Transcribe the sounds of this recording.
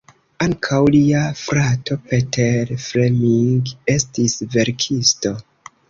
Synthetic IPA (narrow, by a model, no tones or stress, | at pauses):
aŋkʰawliafɾatʰo̞pe̞tʰeɾfɾemiŋɡe̞stisve̞ɾkʰisto̞